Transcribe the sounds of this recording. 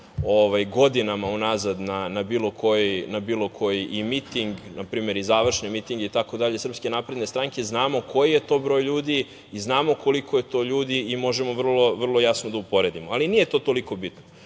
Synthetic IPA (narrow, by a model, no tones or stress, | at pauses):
oʋajɡo̞d̪inamaunazad̪nanabiːlˠo̞kʰo̞jinabiːlˠo̞kʰo̞jiʔimit̪iŋɡnapɾiːme̞ɾizaːʋr̩ʃnimit̪iŋɡit̪ako̞d̪aʎesr̩pske̞naːpɾe̞d̪nest̪ɾaŋke̞znaːmo̞kʰo̞jije̞t̪o̞ːbɾo̞ːjʎuːd̪i | iznaːmo̞ko̞likʰoje̞t̪o̞ːʎuːd̪iimo̞ʒe̞mo̞ʋr̩lˠo̞ʋr̩lˠo̞jasnod̪aupo̞ɾe̞d̪imoalinije̞t̪o̞ːt̪o̞liko̞bit̪no